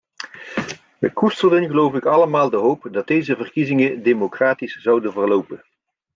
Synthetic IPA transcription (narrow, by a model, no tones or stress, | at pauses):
ʋə̰kustəlˠdənɣəlowvɪkɑləmaːlˠdəɦowpdɑt̚dejzəvərkizɪŋədemokraːtisz̥ɑwdənvərlowpən